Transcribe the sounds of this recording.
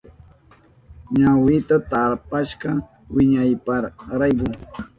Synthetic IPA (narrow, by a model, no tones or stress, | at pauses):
ɲawɪt̪at̪aɾpaʃɢɑ | wɪɲajpaɾɾajkʊ